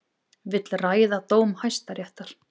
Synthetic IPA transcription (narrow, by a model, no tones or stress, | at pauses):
vɪt̪lraːjðat̪oːwmhajst̪aɾjɛht̪aɾ̥